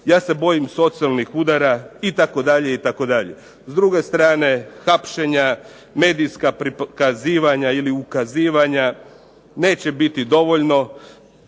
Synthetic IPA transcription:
jaːse̞bo̞jimso̞t̪sialˠnixud̪aɾait̪ako̞d̪aʎe̞it̪ako̞d̪aʎḛ | zd̪ɾuɡe̞st̪ɾaːne̞xapʃe̞ɲa | me̞ːd̪ijskapɾikaziːʋaɲailiukaziːʋaɲa | ne̞ːt͡ɕe̞bit̪id̪o̞ʋo̞ʎno̞

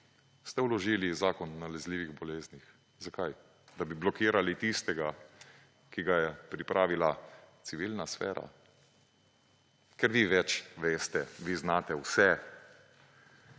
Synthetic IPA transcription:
st̪ɛwlɔʒiːlizaːkɔnːalɛzliːʋiɣbɔleːznix | zakaj | d̪abiblɔkiːɾalit̪ist̪ɛɡa | kiɡajɛpɾipɾʔaːʋilat̪siʋilnasfɛ̰ːɾa̰ | kɛɾʋiːʋɛt͡ʃʋeːst̪ɛʋiznaːt̪ɛwsɛ

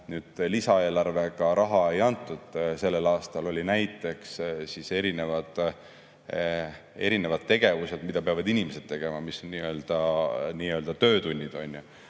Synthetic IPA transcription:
nyːd̪̥lisɑe̞ːlɑrve̞kɑɾɑɦɑe̞jɑnt̪ːˑud̪̥se̞lːe̞lɑːst̪ɑlo̞lʲinæjt̪ːˑe̞kssise̞ɾine̞vɑd̪̥ | e̞ɾine̞vɑd̪̚t̪ːe̞ɡ̥e̞vuse̞d̪mid̪̥ɑpeɑvɑd̪inʲimese̞d̪̥t̪e̞ɡ̥e̞mɑmisonniːø̞ːld̪̥ɑniːø̞ːld̪̥ɑt̪ø̞ːt̪unʲːid̪̥o̞nʲju

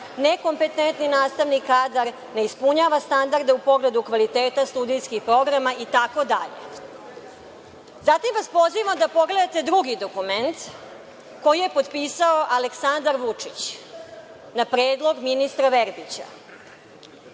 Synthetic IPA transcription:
neko̞mpe̞t̪ent̪ninaːst̪aʋnikaːd̪aɾ | ne̞ispuɲaʋast̪and̪aɾd̪e̞upo̞ɡle̞d̪ukʋalit̪eːt̪ast̪ud̪ijskixpɾo̞ɡɾamaʔit̪ako̞d̪aʎḛ | zat̪imʋaspo̞ziʋamd̪apo̞ɡle̞d̪at̪e̞d̪ɾuɡid̪o̞kument̪ | ko̞jije̞po̞d̪piːsaoʔaleksand̪aɾʋut͡ʂit͡ɕ | napɾeːd̪lˠo̞ɡminist̪ɾaʋeɾbit͡ɕa̰

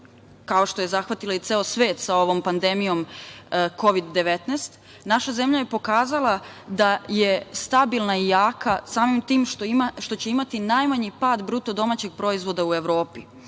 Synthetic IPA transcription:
kao̞ʃt̪o̞je̞zaxʋat̪ilait̪seːosʋe̞ːt̪sao̞ʋo̞mpand̪e̞mijo̞m | ko̞ʋid̪ːe̞ʋet̪nest̪ | naʃaze̞mʎaje̞po̞kaːzalˠa | d̪ajest̪abilˠnaijaːkasaːmimt̪iːmʃt̪oʃt̪o̞t͡ɕeimat̪inajmaɲipaːd̪bɾut̪o̞d̪o̞mat͡ɕe̞ɡ̚pɾo̞izʋo̞d̪aue̞ʋɾo̞ːpi

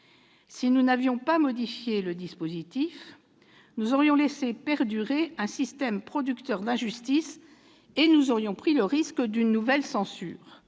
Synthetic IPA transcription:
sinunavjɔ̃pamɔd̪ifjeləd̪ispozit̪if | nuzɔʁjɔ̃lesepɛʁd̪yʁeɛ̃sist̪ɛmpχɔd̪ykt̪œʁd̪ɛ̃ʒyst̪is | enuzɔʁjɔ̃pχiləʁiskd̪ynːuvɛlsɑ̃sy̰ːʁ

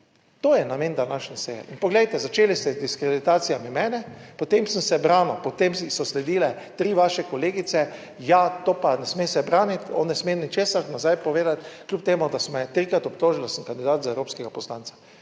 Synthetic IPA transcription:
t̪oːjɛnamend̪anaʃnɛsejɛ̰ʔinpɔɡlɛjt̪ɛzat͡ʃeːlist̪ɛd̪iskɾɛd̪it̪aːt̪sijamimɛːnɛpɔt̪emsənsɛbɾaːnɔpɔt̪emsɔslɛd̪iːlɛ | t̪ɾiːʋaʃɛkɔleːɡit̪sɛ | jat̪oːpanɛsmesɛbɾaːnit̪ɔnːɛsmenit͡ʃeːsaɾnazajpɔʋeːd̪at̪klʲupt̪eːmʊd̪asɔmɛt̪ɾikɾat̪ɔpt̪oːʒild̪asəmkand̪id̪aːt̪zaɛwɾoːpskɛɡapɔslant̪sḁ

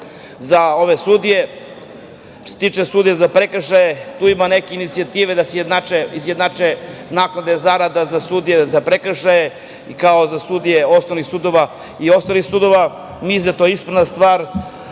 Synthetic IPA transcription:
zao̞ʋesud̪ije̞ | ʃt̪ost̪iːt͡ʂesud̪ijezapɾekɾ̩ʃajet̪uːimanekeinit̪siat̪iːʋed̪asejed̪nat͡ʃeizjed̪nat͡ʃenaːknad̪e̞zaɾad̪azasud̪ijezapɾekɾ̩ʃaje | ikaozasud̪ijeo̞solixsud̪o̞ʋa | io̞st̪alixsud̪o̞ʋa | mizd̪et̪ojeispɾanast̪ʋaːɾ

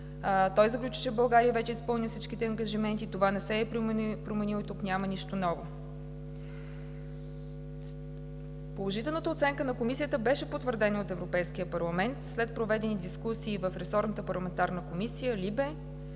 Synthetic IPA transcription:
t̪ɔjzəklʲut͡ʃi̥t͡ʃɛbɐlˠɡaɾijəvɛt͡ʃɛispɤlˠnisit͡ʃkit̪ɛɐŋɡɐʒimɛnt̪it̪ovanɛsɛːpɾomɛnilˠit̪uknʲaməniʃt̪onɔvo | polˠoʒit̪ɛlˠnət̪əot̪sɛŋkənɐkomisʲijət̪əbɛʃɛpot̪vəɾd̪ɛnoot̪ɛvɾopɛjsk̟ijəpɐɾlˠɐmɛnt̪slɛt̪̚pɾovɛd̪ɛnid̪iskusiːvəfɾɛsɔɾnət̪əpɐɾlˠɐmɛnt̪aɾnəkomisijəlibɛ

